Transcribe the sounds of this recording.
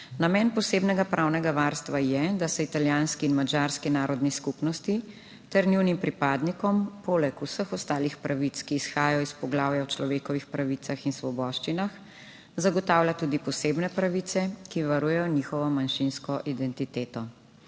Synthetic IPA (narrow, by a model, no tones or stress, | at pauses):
namɛnpɔseːbnɛɡapɾʔawnɛɡaʋaɾst̪ʋajɛd̪asɛit̪aljanskiːnmad͡ʒaːɾskinaːɾɔd̪niskupnɔst̪i | t̪ɛɾniwnimpɾipaːd̪nikɔmpɔlɛkusəxɔst̪aːlixpɾʔaʋit̪skiːsxaːjɔispɔɡlaːwjawt͡ʃlɔʋeːkɔʋixpɾaʋit̪saxinsʋɔbɔʃt͡ʃinax | zaɡɔt̪aːwlʲat̪uːd̪ipɔseːbnɛpɾaʋit̪sɛkiʋaɾuːjɛjɔniːxɔʋɔmanʃinskɔʔid̪ɛnt̪it̪eːt̪ɔ